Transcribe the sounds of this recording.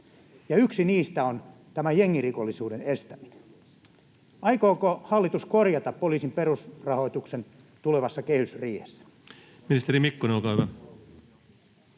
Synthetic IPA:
jɑyksiniːst̪æont̪æmæjeŋːirikolːisuːdenest̪æminen | ɑikoːkohɑlːit̪uskorjɑt̪ɑppːoliːsimperusrɑho̞it̪uksen | t̪uleʋɑsːɑkehysriːhesːæ̥ | minist̪eɾimikːoneolkɑˑːyʋæ

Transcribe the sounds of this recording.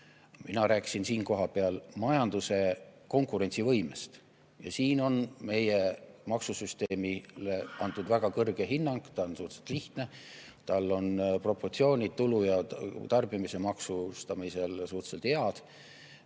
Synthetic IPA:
minɑɾæːkːˑi̥sinsiːnko̞ɦɑpeɑlmɑjɑnd̪̥use̞ko̞ŋkˑuɾe̞nʲt̪sivɤjmest̪ | jɑ̰siːno̞nme̞jemɑksusyst̪eːmile̞ɑnt̪ud̪̥væɡ̥ɑkɤrɡ̥e̞ɦinːɑŋɡ̥t̪ɑonsuht̪se̥t̪liht̪ne̞t̪ɑlːo̞npro̞pːo̞rt̪sio̞ːnʲid̪̚t̪ulujɑt̪ɑrb̥imise̞mɑksust̪ɑmise̞lsuht̪selt̪heɑd̪̥

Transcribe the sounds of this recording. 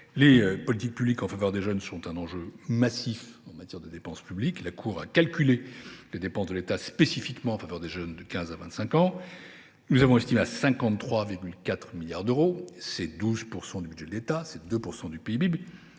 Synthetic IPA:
lepɔlit̪ik̚pyblikɑ̃favœʁd̪eʒœnsɔ̃t̪ɛ̃nɑ̃ʒømasifɑ̃mat̪jɛʁd̪əd̪epɑ̃spybliklakʰuʁakalkʲyleled̪epɑ̃szd̪əlet̪aspesifikmɑ̃ɑ̃favœʁd̪eʒœnd̪əkʲɛ̃zavɛ̃t̪sɛ̃kɑ̃ | nuzavɔ̃ɛst̪imeasɛ̃kɑ̃t̪t̪ːχwaviʁɡʲylkʲat̪χmiljaʁd̪øʁosɛd̪uzpuʁsɑ̃d̪ybyd̪ʒɛd̪let̪asɛd̪øpuʁsɑ̃d̪ypeibib

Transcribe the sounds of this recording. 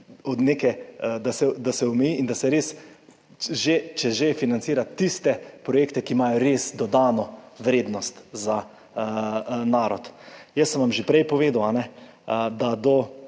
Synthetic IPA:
ɔd̪nekɛd̪asɛd̪asɛɔmɛjiʔind̪asɛɾeːs | ʒet͡ʃɛʒefinansiːɾat̪t̪ːist̪ɛpɾɔjeːkt̪ɛkimaːjɔɾeːsd̪ɔd̪aːnɔʋɾeːd̪nɔst̪za | naːɾɔt̪jəsːənʋamʒepɾɛjpɔʋeːd̪awanɛ | d̪ad̪ɔ

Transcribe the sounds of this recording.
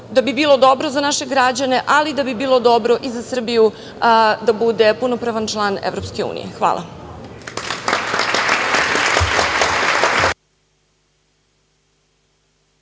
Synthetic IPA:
d̪abibiːlˠo̞d̪obɾozanaʃe̞ɡɾad͡ʑane̞ʔalid̪abibiːlˠo̞d̪obɾoʔizasr̩biju | d̪abud̪e̞punopɾaʋant͡ʃlˠaːnḛʋvɾopske̞ṵːnḭjexʋa̰ːlˠʔa̰

